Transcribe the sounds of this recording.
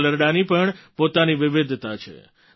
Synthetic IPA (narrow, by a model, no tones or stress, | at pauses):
ləɾɽanipəɳpot̪aniʋɪʋɪd̪ʱt̪at͡ʃʰḛ